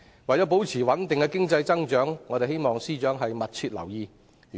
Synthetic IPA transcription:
wɐ˨jt͡ɕɔː˨˥po˨˥wt͡sʰiː˨˩wɐ˨˥nt̪ɪ˨ŋkɛ˧kɪ˥ŋt͡sɐ˧jt͡sɐ˥ŋt͡ʃœː˨˥ŋːɔː˨˧e˨jhe˥jmɔː˨˩ŋsiː˥t͡ʃœː˨˥ŋɦɐ˨jmɐ˨t̚t͡sʰyː˧t̚lɐ̰˨˩wjiː˧

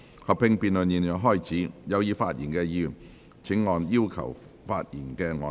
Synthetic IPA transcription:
hɐ˨pʰɪ˧ŋpiː˧nlɵ˨njiː˨˩njɔ˨˧wɦɔː˥˩jt͡sʰiː˨˥jɐ˨˧wjiː˨˧faː˧t̚jiː˨˩nkɛː˧jiː˧˩ | t͡sʰɪ˨˥ŋːɔː˨njiː˥wkʰɐ̰˨˩w | faː˧t̚jḭː˨˩nkɛː˧ŋɔː˨˧

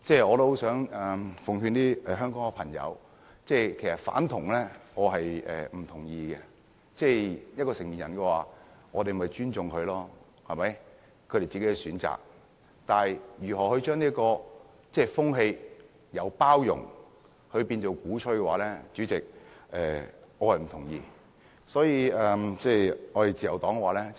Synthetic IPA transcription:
t͡sɛː˥˩ɔː˨˧t̪o˥ho˧˥wsœː˨˥ŋɛ˨fʊ˨ŋɦyː˧nt̪iː˥ɛ˨ɦœː˥ŋkɔː˨˥ŋɛ˧pʰɐ˨˩ŋjɐ̰˨˧w | t͡sɛː˥˩jkʰe˨˩jsɐ˨t̚fa̰ː˨˥nt̪ʰʊ˨˩ŋlɛː˥ŋɔː˨˧ɦɐ˨jʔɛ̰ː˨m̩˨˩t̪ʰʊ˨˩ŋjiː˧ɡɛ˧ | t͡sɛː˥˧jɐ˥t̚kɔː˧sɪ˨˩ŋmiː˨njɐ˨˩nkɛː˧waː˨ŋɔː˨˧t̪e˨m˨ɐ˨˩jt͡ʃyː˥nt͡sʊ˨ŋkʰɵ˨˧ɥlɔː˥ | hɐ˨˩mɐ˨˦j | kʰɵ˨˧ɾe˨jt͡siː˨ke˦˥ɛ˧syː˨˥nt͡sa̰ː˨˩k̚ | t̪aː˨˩jjyː˨˩ɦɔː˨˩hɵ˧ɥt͡ʃœː˥ŋniː˥kɔː˧ | t͡sɛː˥˩fʊ˥ŋɦe˧j | jɐ˨˧wpaː˥wjʊ̰˨˩ŋ | hɵ˧ɥpiː˧nto˨˧wkuː˨˥t͡ʃʰɵ˧˥ɥkɛ˧wa̰ː˨˥lɛː˥t͡ʃyː˨˥t͡sɪ˨k̚ʔɛ̰ː˨ŋɔː˨˧hɐ˨jm̩˨˩t̪ʰʊ˨˩ŋjiː˧ | sɔː˨˥jiː˧ɛ˨˧t͡sɛː˥˩ɔː˨˧ɾe˨jt͡siː˨jɐ˨˩wt̪ɔː˨˥ŋɛ˧waː˨˧lɛː˥

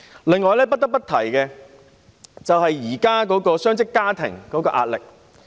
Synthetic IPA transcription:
lɪ˨ŋːɔː˨˧jlɛː˥p̬ɐ˥t̚t̪ɐ˥pɐ˥t̪ʰɐ˨˩jkɛ˧ | t͡sɐ˨whɐ˨jːiː˨˩kaː˥kɔː˨˥kɔː˧sœː˥ŋsɪ˥kːaː˥t̪ʰɪ̰˨˩ŋkɔː˨˥kɔː˧ʔa̰ː˧t̚lɪ˨k̚

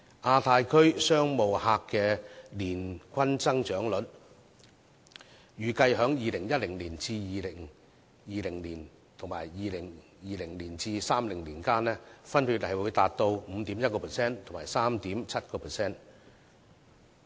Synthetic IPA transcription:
ʔaː˧t̪ʰaː˧jkʰɵ˥ɥsœː˥ŋmo˨whaː˧kːɛː˧liː˨˩nkʰʷɐ˥nt͡sɐ˥ŋt͡ʃœː˨˥ŋlɵ˨˥t̚ | jyː˨kɐ˧jɦœː˨˥ŋjiː˨˧lɪ˨˩ŋjɐ˥t̚lɪ˨˩ŋliː˨˩nt͡siː˧jiː˨lɪ˨˩ŋ | jiː˨lɪ˨˩ŋliː˨˩n | t̪ʰʊ˨˩ŋma̰ː˨˩jːiː˨lɪ˨˩ŋ | jiː˨˧lɪ˨˩ŋliː˨˩nt͡siː˧saː˥mlɪ˨˩ŋliː˨˩nkaː˥nlɛː˥fɐ˥nhyː˧t̚hɐ˨jwuː˨˧jt̪aː˨t̚t̪o˧wm̩ː˨˧t̪iː˨˥mjɐ˥t̚kɔː˧pʰːsɛː˥nt̪ʰo˨˩ŋmaː˨˩jsaː˥mt̪iː˨˥mt͡sʰɐ˥t̚kɔː˧pʰɛ˨sɛː˥n

